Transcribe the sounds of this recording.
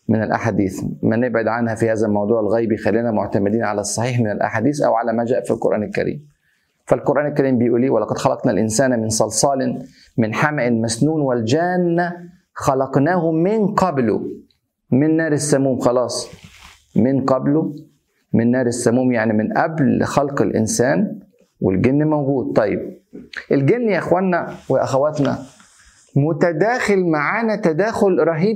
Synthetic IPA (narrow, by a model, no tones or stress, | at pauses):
mɪnɪlʔa̰ħaːd̪iːθmanɪbʕɪd̪ʕanhæfihaːzælmɑwd̪ˤuːʕɪlɣæːjbjɪxalːiːnæmʊʕt̪amɪd̪iːnʕalæsˤːɑħiːħmɪnɪlʔa̰ħaːd̪iːθʔæ̰wʕalæmæd͡ʒæːʔfilqʊɾʔæ̰ːnɪlkæ̰ɾḭːm | falqʊɾʔæːnɪlkæɾiːmbɪjʔuːliːwalːɑqɑd̪xɑlɑqnalʔɪnsaːnmɪnsˤɑlsˤɑːlɪn | mɪnħamaʔɪlmasnuːnwɪld͡ʒæːnːa | xɑlɑqnaːhʊmɪnqɑblʊ̰ | mɪnːæːɾɪsːæmuːmxɑlɑːsˤ | mɪnqɑblʊ | mɪnːæːɾɪsːæmuːmjaʕnimɪnʔæblxɑlqɪlʔɪ̰nsæːn | wɪ̰lɡɪnːmæwɡuːd̪̚t̪ˤːɑjːḛb̚ʔɪlɡenːjaʔxwænːæwɪʔæ̰xæwæt̪næ̰ | mʊt̪æd̪æːxɪlmaʕaːnæt̪æd̪æːxʊlɾˤɑɦiː